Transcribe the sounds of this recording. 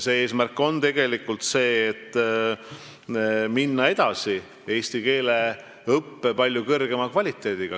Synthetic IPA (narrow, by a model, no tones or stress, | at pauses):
seːeːsmærkːo̞nt̪e̞ɡ̥e̞likːˑult̪se̞ːt̪ː | minːɑe̞d̪̥ɑsi | e̞ːsʲt̪ike̞ːle̞ | ɤpːe̞pɑlʲjukɤrɡ̥e̞mɑkvɑlʲit̪ːˑe̞ːd̪̥iɡ̥ɑ